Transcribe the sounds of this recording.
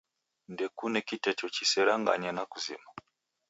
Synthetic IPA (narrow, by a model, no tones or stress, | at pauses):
ndɛkunɛkitɛt͡ʃɔt͡ʃisɛɾaŋɡa̰ɲanakuzḭma